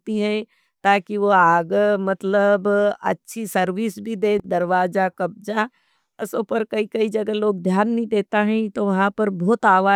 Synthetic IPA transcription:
t̪iɦɛ̃ː | t̪aːkiʋoaːɡmɐt̪ləbɐ̰tːʃʰisɐɾʋiːsbʱid̪eːd̪ɐɾʋaːd͡ʒakɐb̚d͡ʒaː | ɪsoːpəɾkɐikɐid͡ʒɐɡəloːɡd̪ʱjaːnːɐɦĩd̪eːt̪aɦɛ̃t̪oʋɐɦãpɐɾbɔːt̪aːʋaː

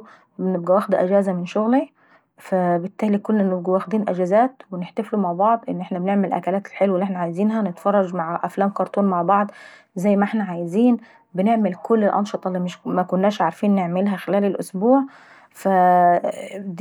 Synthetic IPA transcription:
bneb̚ɡæwæːxd̪æʔæd͡ʒæːzæmɪnʃoɣli | fæbɪt̪ːæːlikolːnːebɡæwæxd̪iːnʔæd͡ʒæzæːt̪weneħt̪æflumaʕbɑʕd̪ˤʔenːʔeħnæbeneʕmelʔæ̰kælæːt̪e̥lħelwelːʔeħnæʕajziːnɦænet̪fɑrˤːɑd͡ʒmaʕʔæflæːmkɑɾˤt̪ˤuːnmaʕbɑʕd̪ˤ | zæjːmæʔeħnæʕajeziːn | beneʕmelkolːelʔɑ̰nʃɑt̪ˤɑlːimɪʃmækʊnːæːʃʕaɾfiːnːeʕmelɦæxelæːlelʔo̰sbuːʕ | fæ | d̪

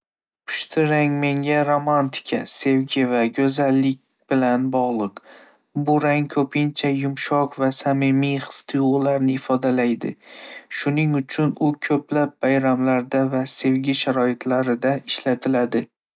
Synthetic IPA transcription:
pʰʊ̥ʃt̪ʰɪɾaŋme̞ŋʲaɾomant̪ʰɪ̥kʲʰa̰se̞vɡʲɪvaɡʲɵzalːɪkʲ | bɪlanbɒʁlˠɨq | bʊɾaŋkʰɵpʰɪnt͡ʃʰajʊmʃɒqvasamɪmijχɨ̥st̪ʰɨjʊʁlˠaɾnɪːfɒd̪alajd̪ɪ̰ʃʊnɪŋʊt͡ʃʰʊnʊkʲʰɵplap̚bajɾamlaɾd̪avase̞wɡʲɪʃaɾɒɪt̪ʰlaɾɪd̪aɪʃlat̪ʰɪlad̪ɪ

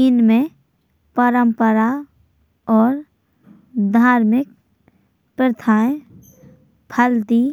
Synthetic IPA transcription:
iːnmẽ | pəɾə̃mpəɾa | ɔːɾ | d̪ʱaːɾmɪk̚ | pɾət̪ʰaːj | pʰəld̪i

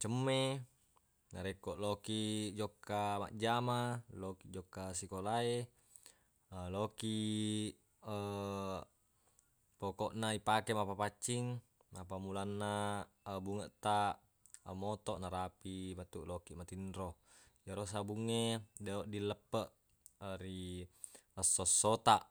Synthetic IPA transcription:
t͡ʃəmːe | naɾekːoʔlokiʔd͡ʒokːama̰ʔd͡ʒamalokiʔd͡ʒokːasikolae | lokiʔ | ə | pokoʔnaipakemapapat͡ʃːiŋ | apamulanːa | buŋəʔt̪a | əmot̪oʔnaɾapimat̪ːuʔlokiʔmat̪inɾo | jaɾos̬abuŋːedeoʔdilːəpːəʔ | əɾi | əsːosːot̪aʔ

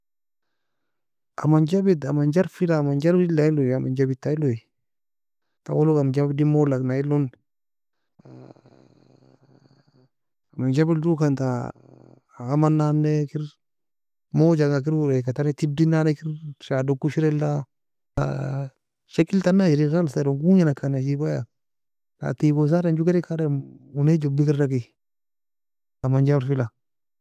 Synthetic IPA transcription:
amand͡ʒabitamand͡ʒaɾfilaːmand͡ʒaɾilailoama̰nd͡ʒabitːailoi | ta̰wolokand͡ʒabidimolaknailon | amand͡ʒabildukanta | ɣamanːanːekiɾ | mod͡ʒaŋak̬iɾɾekatanetib̚dinanekiɾʃadokːuʃiɾɛlːa | a̰ | ʃekiltanːajiɾiɣalsaɾoŋɡuŋinakʰːanaʃibaja | ta̰tiɡos̬aɾand͡ʒuɡaɾikʰaɾauned͡ʒobikiɾdaɡi | amand͡ʒabɾfila

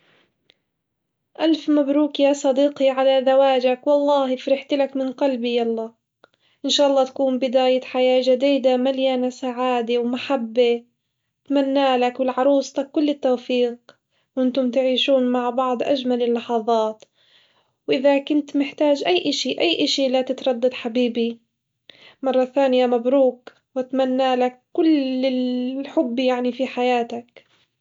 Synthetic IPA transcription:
ʔalfmabɾuːkjaːsˤɑd̪iːqiʕalaðawaːd͡ʒakwɑlˤːɑːhɪfɾɪħt̪lakmɪnqɑlbijɑlˤːɑː | ʔɪnʃaːʔɑlːɑːt̪ḁkuːmbɪd̪aːjaħajaːʒad̪iːd̪amaljaːnasaʕaːd̪ewmaħabːe | t̪manːaːlakwɪlʕɑɾˤuːsˤt̪akːʊlːɪt̪ːoːfiːq | wʔɪnt̪ʊmt̪ɪʕiːʃuːnmaʕbɑʕd̪ˤʔaʒmalɪlːɑħɑðˤɑːt̪ | wʔɪðakʊnt̪mɪħt̪aːd͡ʒʔajːʔaʃiʔajːʔaʃilat̪ɪt̪ɾˤɑd̪ːɑd̪ħabiːbi | mɑrˤːɑθaːnɪjamabɾuːk | wat̪manːaːlakːʊlɪħʊbːjaʕnifiħajaːt̪ak

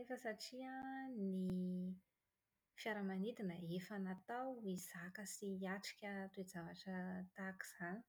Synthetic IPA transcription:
efəsaʈ͡ʂiani | fjaɾəmanit̪inəefanat̪awiz̥akəsiaʈ͡ʂi̥kʲət̪uezavaʈ͡ʂət̪aki̥z̥aɲi̥

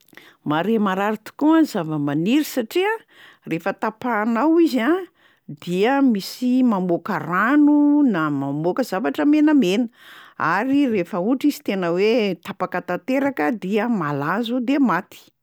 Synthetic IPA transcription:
maɾemaɾaɾit̪u̥kuanzavəmaniɾisaʈ͡ʂia | refət̪apanawiza | d̪iəmisimamokaranunamamokəzavaʈ͡ʂəmenəmenəa̰ɾirefəuʈ͡ʂizi̥t̪enəwet̪apakat̪at̪eɾakəd̪iəmalazud̪emat̪i̥

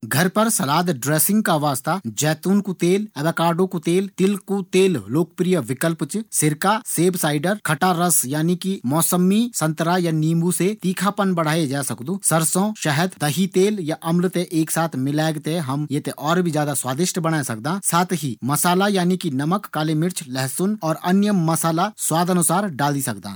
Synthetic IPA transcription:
ɡʱɐɾpɐɾsɐlaːd̪ɖɾeːsɪ̃ŋɡkaʋaːst̪ad͡ʒɛːt̪uːnkut̪eːlɐd̪akaːɾɖõkut̪eːlt̪ɪlkut̪eːlloːk̚pɾijəʋɪkəlpt͡ʃsɪɾkaseːbsaːɪɖəɾkʰɐʈaɾɐsjaːnikimɔːsəmːisɐ̃nt̪əɾajaniːmbuset̪iːkʰapənbɐɽ̤aːed͡ʒaːsɐkd̪uːsɐɾsõʃɐɦəd̪d̪ɐɦit̪eːljaʔɐmlt̪eʔeːksaːt̪ʰmɪlɛːɡt̪eɦɐmjet̪eʔɔːɾbʱid͡ʒjaːd̪aswaːd̪ɪʃʈbɐɽ̃aːesɐk̚d̪ãːsaːt̪ɦimɐsaːlajaːnikinɐməkːaːlemɪɾt͡ʃʰlɛɦsʊnɔːɾɐnjəmːɐsaːlaswaːd̪ɐnʊsaːɾɖaːld̪isɐkd̪ã̰ː

